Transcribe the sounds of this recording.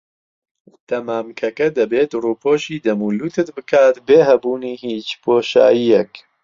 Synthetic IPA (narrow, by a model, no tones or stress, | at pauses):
t̪ɐmaːmkʰɐkɐd̪ɐbeːt̪ruːpʰoːʃiːd̪ɐmuːluːt̪ʰɨt̪bɨkʰaːt̪beːɦɛbuːniːhiːt͡ʃpʰoːʃa̰ːjijɛk